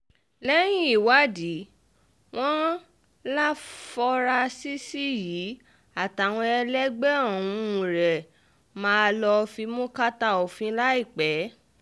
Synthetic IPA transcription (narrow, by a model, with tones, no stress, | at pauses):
lɛ˦j̃ĩ˦i˨wa˨˦di˨˦ | w̃ɔ̃˦ | la˦fɔ˧ɾa˧si˦si˦jiː˨˦ | a˦˨ta˨w̃ɔ̃˧ɛ˧lɛ˦ɡ͡bɛ˦ɔ̃˦˨ũ˧˨˧ɾɛ˨ | mãː˨˦˧lɔ˧fi˧mũ˦ka˦ta˦ɔ˨fĩ˧la˦i˦˨k͡pɛ˨˦